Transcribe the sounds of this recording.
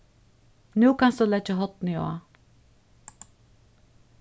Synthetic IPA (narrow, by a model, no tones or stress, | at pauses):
nʉːkansd̪ulɛt͡ʃəɦɔt̪nio̰ː